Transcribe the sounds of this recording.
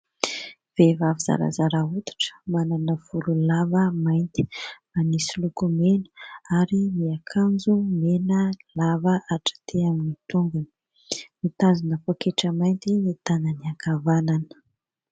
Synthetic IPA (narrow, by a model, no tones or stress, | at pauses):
v̥evaviz̥a̰ɾa̰zaɾaɦut̪u̥ʈ͡ʂə̥mananəv̥ululavəmajnt̪i̥manisilukumenu̥aɾimiakʰand͡zumenəlavəʔaʈ͡ʂə̥t̪ʰeaminit̪uŋɡuni̥ | mit̪azinəfokeʈ͡ʂəmajnt̪init̪anəniakavananə̥